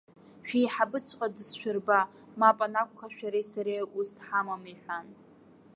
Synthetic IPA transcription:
ʃᶣijħabɨt͡sʷʰqʷʼadɨsʃᶣʊrba | mapʼanakʷʰʼχaʃᶣaɾejsaɾejʔusħamamiħʷᶣan

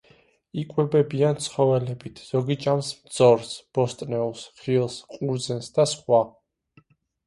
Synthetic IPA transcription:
ikʼwɛbɛbiant̪sʰχɔvɛlɛbit̪ʰz̥ɔɡit͡ʃʼamsmd̪z̥ɔɾsb̥ɔst̪ʼnɛusχilˠsqʼuɾd̪zɛnsd̪asχwa

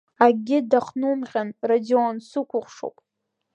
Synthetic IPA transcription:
aɡʲɪdaχnumʁʲanradionsɨkʷʰʊχʷʂo̰wpʼ

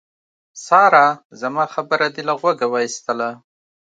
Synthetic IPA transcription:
sɑɾazamɑxabəɾad̪elaɣwaɡawɑist̪əla

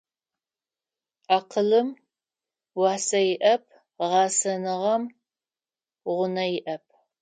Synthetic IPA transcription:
aːqəlɨm | wɑːsɐjɪʔɐp̚ʰ | ʁɑːsɐnɨʁɐm | ʁʷʊnɐjɪʔɐp̚ʰ

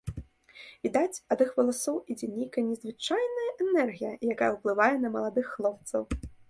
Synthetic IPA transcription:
vʲid̪at͡sʲɐd̪ɨxvɐlˠasɔwid͡zʲɛnʲejkɐnʲɛzvɨt͡ʂajnɐjɐʔɛnɛrɣʲijɐjakajɛɐwplˠɨvajɛnɐmɐlˠad̪ɨxːlˠɔp̚t̪sɐw

